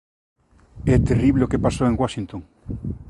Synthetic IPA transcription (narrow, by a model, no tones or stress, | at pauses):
ɛt̪eriβleokepasoeŋɡwaʃint̪õŋ